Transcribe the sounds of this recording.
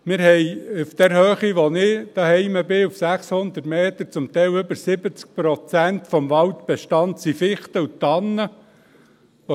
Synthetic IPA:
mɪɾhɛjufd̥̪ɛɾhøːχiʋonɪd̥ɑhɛɪməbɪufsæχshʊnd̪ətmeːt̪əɾt͡sʊmt̪ɛɪlɵbəɾsɪbət͡sk̚pɾɔt͡sænt̪fɔmʋɑlt̪b̥ɛʃtɑnt̪sifɪχt̪əut̪ɑnːə | ʋo

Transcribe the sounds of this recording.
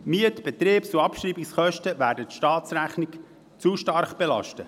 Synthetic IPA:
myətb̥ɛt̪ɾeːpsuɑpʃriːbiksχœʃtəvæːɾdətʃtɑːt̪sræχnɪk | t͡suʃtɑɾχb̥elɑ̰ʃtə

